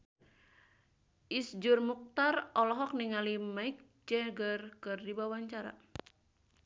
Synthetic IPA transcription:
ʔisd͡ʒurmuk̚t̪arɔlɔɦɔk̚niŋalimaik̚ | d͡ʒɛɡərkɨrdibawaɲt͡ʃaɾa̰

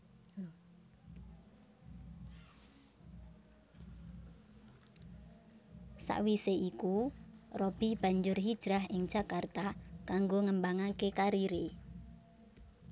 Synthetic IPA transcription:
sa̰ʔwiseʔikurɔb̥i̤hb̥a̤ɲd͡ʒʊrɦid̥ʒ̥ɾaɦɪŋd̥ʒ̥a̤kart̪akaŋɡoŋəmbaŋakekaɾiɾe

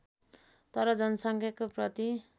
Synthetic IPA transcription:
t̪ʌɾʌd͡zʌnʌsʌŋkʰjakoprʌt̪i

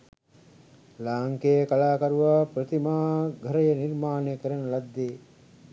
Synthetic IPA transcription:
laːŋkejəkalaːkaɾuʋaːpɾət̪imaːɡʱəɾəjənirmaːnejkəɾənəlad̪ːeː

